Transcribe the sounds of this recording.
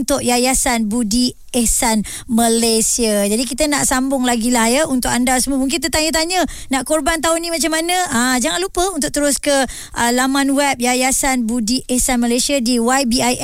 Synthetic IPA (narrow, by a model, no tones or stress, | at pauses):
nt̪ʊʔjajasanbudi | ɛsan | məlesiad͡ʒadikit̪ənaʔsambʊŋlaɡilajəunt̪ʊkandasəmuəmuŋk̬int̪̬ət̪aɲət̪̬aɲə | naʔkorbant̪̬aʊnĩmat͡ʃamːanə̃ad͡ʒaŋanlupəunt̪ʊʔ̚t̪əɾʊskə | ʔəlamãnwɛp̚jajasanbudiʔɛsanməlesiadiwajbiaj